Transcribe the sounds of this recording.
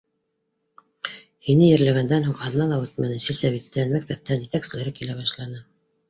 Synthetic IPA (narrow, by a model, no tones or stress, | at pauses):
hinɘjɘ̆ɾlæɡænd̪ænhuŋɑðɤ̆nɑlˠɑwʉt̪mænɘsɘsæβit̪ːænmæk̚t̪æp̚t̪ænjɘ̆t̪æksɘ̆læɾɘkilæβɑʃlˠɑnɤ